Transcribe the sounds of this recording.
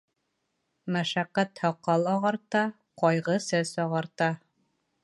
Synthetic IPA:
mæʃæqːæt̪hɒqːɑlˠɑʁɑɾt̪ɑ | qɒjʁɤsæzɒʁɑɾt̪ɑ

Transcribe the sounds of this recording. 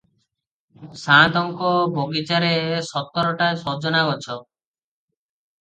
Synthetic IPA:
sãt̪ɔŋkɔbʱoɡit͡ʃaɾesɔt̪ːɔɾɔʈasɔd͡ʒɔnaɔt͡ʃʰɔ

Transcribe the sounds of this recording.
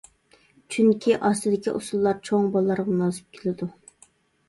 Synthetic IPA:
t͡ʃʰyŋkʲʰiʔɑst̪ɨd̪ɪkʲḭʔusulˠːɑɾt͡ʃʰoŋbɑlˠːɑɾʁɑmnɑzɨp̚kʲʰelɪd̪u

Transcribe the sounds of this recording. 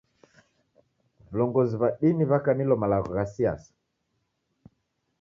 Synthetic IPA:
vulɔŋɡɔziβaɗiniβakanilɔmalaɣɔɣasia̰sḁ

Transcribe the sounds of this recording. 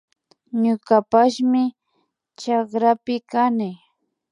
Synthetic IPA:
ɲʊkapaʃmɪ | t͡ʃakɾapɪkanɪ

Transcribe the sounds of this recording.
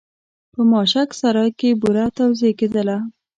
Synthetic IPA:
pəmɑʃaksaɾɑjkebuɾat̪awzeked̪əla

